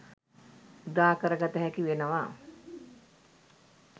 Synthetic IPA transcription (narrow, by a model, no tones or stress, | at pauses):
ud̪aːkəɾəɡat̪əɦækiʋenəʋaː